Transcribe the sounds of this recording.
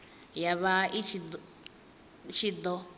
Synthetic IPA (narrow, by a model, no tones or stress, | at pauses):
jaβaʔit͡ʃʰid | t͡ʃʰid̪ɔ